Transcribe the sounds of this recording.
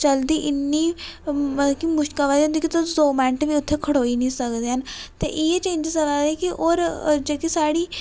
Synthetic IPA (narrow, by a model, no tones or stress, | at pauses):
t͡ʃəld̪iːʔɪnːiːməəkimʊʃkaːʋaːd͡ʒ̃nd̪eːkɪit̪od̪oːmɛ̃ːɳʈʋiːʊt̪ʰːeːkʰəɽoːiːnĩːsəkd̪eːɦənt̪ḛːʔɪeːt͡ʃẽːɲd͡ʒsəlaːɾeːkɪʔoːɾd͡ʒeːkisaːɽiː